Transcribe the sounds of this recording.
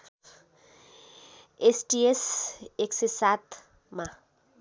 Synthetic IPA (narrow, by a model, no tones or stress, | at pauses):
esʈieseksesat̪ | ma